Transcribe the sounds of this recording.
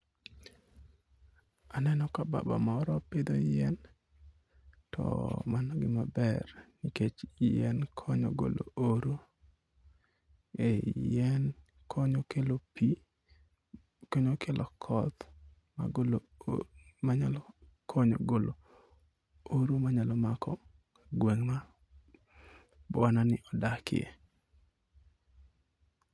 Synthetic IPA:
anɛnɔkaba̰ba̰mɔɾɔped̪ojɛn | tʰɔ̰manɔɡɪmabɛrniket͡ʃjɛ̰nkʰɔɲɔ̰ɡo̰lo̰oɾo | ejɛn | kʰɔɲokelopi | kɔɲokʰelʔɔkʰɔt̪ | ma̰ɡolo | maɲal | kʰɔɲɔ̰ɡolo | oɾomaɲalɔmakɔ | kaɡweŋma | bwananɪʔɔdakɪ̰ḛ

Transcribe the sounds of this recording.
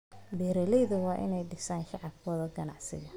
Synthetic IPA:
ɖɛːɾɛlɛjðʊwɑːʔɪ̰nɛjɖɪsaːnʃɑʕɑbkʰɔːðɔɡɐnɑʕsɪ̰ɣɐ

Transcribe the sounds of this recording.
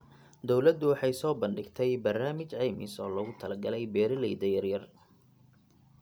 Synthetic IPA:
d̪ɔwlɐd̪ʊwɑħɑjsɔːbɐnɖɪɡt̪ʰɛjbɐrnaːmɪt͡ʃʕɛjmɪ̰sɔːlɐɣʊt̪ʰɐlɐɡɐlɛjbɛːɾɪlɛjd̪ɐjɐrjɐr

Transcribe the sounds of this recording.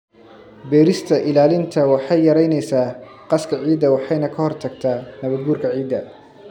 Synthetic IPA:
bɛːɾɪst̪ʰɐʔɪlaːlɪnt̪ʰɐwɑħɑjːɐɾɛjnɛjsaː | qɑskʰɐʕiːd̪ɐwɑħɑjnɐkʰɐhɔrt̪ʰɐɡ̚t̪ʰaːnɐβɐɡuːrkʰɐʕiːd̪ɐ

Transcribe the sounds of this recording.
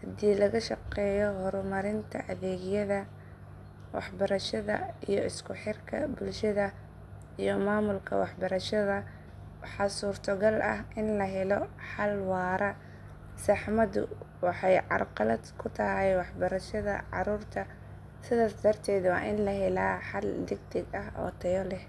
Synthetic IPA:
hɐd̪iːlɐɣɐʃɑqɛːjɔhɔɾʊmɐɾɪnt̪ʰɐʔɐðɛːɣjɐðɐ | wɑ̰ħbɐɾɐʃɐðɐ̰ijɔʔɪskʰʊħɪrkʰɐ̰bʊlʃɐðɐ | ijɔmaːmʊlkʰɐ̰wɑħbɐɾɐʃɐðɐ | wɑħɑːsuːrt̪ʰɔɡɐlʔɐ̰ɦʔɪnlɐɦɛlɔħɑlwɑːɾɐ | sɑħmɐd̪ʊ̰wɑħɑjʕɑ̰rqɑlɐd̪kʰʊt̪ʰɐɦɛjwɑħbɐɾɐʃɐðɐ̰ʕɑ̰ɾuːrt̪ʰɐ | sɪðaːsd̪ɐrt̪ʰɛːd̪wɑ̰ːʔɪnlɐɦɛlaːħɑld̪ɪɡt̪ʰɪɡɐɦɔ̰ːt̪ʰɐjɔlɛh

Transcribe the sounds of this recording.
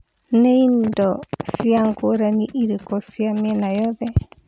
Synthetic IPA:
nẽind̪osiaŋkoɾanĩʔiɾɨkosiamenãjoβe

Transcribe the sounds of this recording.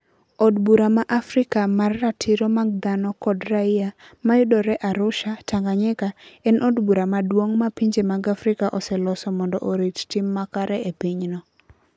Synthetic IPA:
ɔdbuɾamaʔafɾɪkamarːatʰɪɾɔmaɡ̚d̪anɔkɔdraɪja | majʊdɔɾɛʔaɾʊʃataŋɡaɲɛkaɛnʔɔdbuɾamadwoŋmapiɲd͡ʒemaɡafɾɪkaʔɔsɛlɔsɔmɔndɔʔoɾittɪmːakaɾɛepiɲnɔ

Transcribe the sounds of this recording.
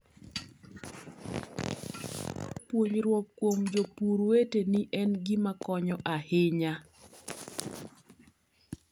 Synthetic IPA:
pwoɲɾwop̚kwomd͡ʒopuɾweteniʔɛnɡimakɔɲɔʔaheɲa

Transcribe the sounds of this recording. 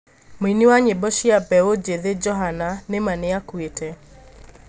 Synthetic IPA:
miniwaɲebɔʃiapɛod͡ʒeðed͡ʒɔɦananɪmanɪakwete

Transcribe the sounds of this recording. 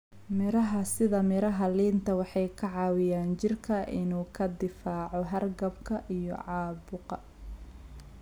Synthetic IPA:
mɪɾɐɦɐsɪðɐmɪɾɐɦɐliːnt̪ʰɐwɑħɑjkʰɐʕɑːwɪjaːnt͡ʃɪrkʰɐʔɪnuːkʰɐd̪ɪfaːʕɔɦɐrɡɐbkʰɐʔijɔ̰ʕɑːbʊqɐ

